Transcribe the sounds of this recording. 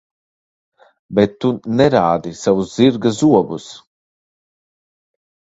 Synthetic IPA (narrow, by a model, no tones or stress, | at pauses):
bɛt̪ːunɛɾaːd̪isavuzziɾɡazuɔbus